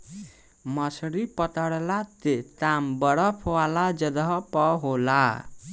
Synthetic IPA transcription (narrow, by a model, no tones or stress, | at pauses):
mʌsɾipʌt̪əɽlat̪et̪ambəɽʌpʰwalad͡ʒʌd̪ʌpɔɦola